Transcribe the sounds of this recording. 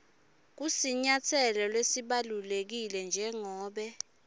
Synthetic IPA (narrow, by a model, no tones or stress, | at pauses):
k̬usiɲatʰɛlɔlwesiɓalulek̬ilɛnd͡ʒʱɛŋɔːɓɛ